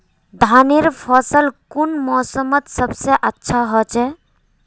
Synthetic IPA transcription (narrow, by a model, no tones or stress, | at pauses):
d̪ʱaneɾpʰəsəlkunmɔsəmət̪səbseʔətːʃʰaɦɔt͡ʃɛ